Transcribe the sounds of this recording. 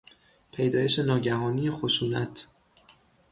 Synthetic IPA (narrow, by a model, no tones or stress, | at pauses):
pʰe̞jd̪ɒːje̞ʃe̞nɒːɟæɦɒːnijexoʃuːnæ̰t̪ʰ